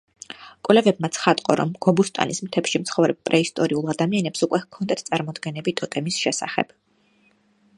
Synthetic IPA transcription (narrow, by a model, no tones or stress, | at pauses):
kʼwlɛvɛbmat̪sʰχat̪ʼqʼɔɾɔ̰mɡ̥ɔbust̪ʼa̰nismt̪ʰɛpʃimt̪sʰχɔvɾɛb̚pʼɾɛist̪ʼɔɾiulˠad̪amianɛpsukʼwɛkʰɔnd̪at̪ʰt̪sʼaɾmɔd̪ɡɛnɛbit̪ʼɔt̪ʼɛmisʃɛsa̰χɛ̰b̥